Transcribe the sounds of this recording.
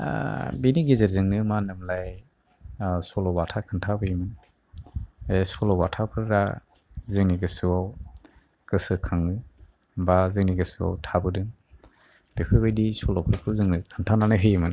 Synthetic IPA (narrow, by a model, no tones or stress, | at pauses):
biniɡezeɾzɯŋnɯmanɯmlaj | sɔlɔbatʰakʰantʰabɯjmɯn | esɔlɔbatʰapʰɯɾɾa | zɯŋniɡɯsɯwaw | kɯsɯkʰaŋɯ | bazɯŋniɡɯsɯwa̰wtʰabɯdɯŋ | b̥epʰɯbɯjdisɔlɔpʰɯɾpʰɯɾzɯŋnɯkʰantʰananɯɦɯjmɯn